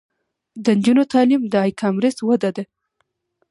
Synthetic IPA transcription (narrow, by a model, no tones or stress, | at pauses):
d̪ənd͡ʒunot̪ɑlimd̪əɑjkʰɑmɾɪswad̪ad̪a